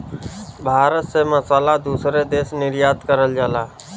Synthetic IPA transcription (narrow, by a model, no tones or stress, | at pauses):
bʱaːɾət̪seməsaːlad̪uːsɾed̪eːsnɪɾjaːt̪kəɾəld͡ʒaːlaː